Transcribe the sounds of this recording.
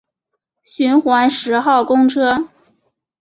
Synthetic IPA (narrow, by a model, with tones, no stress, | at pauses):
ɕy˧˥nxwa˧˥nʂɻ̩˧˥xɑ˥˩ʊkʊ˥ŋʈ͡ʂʰɤ˥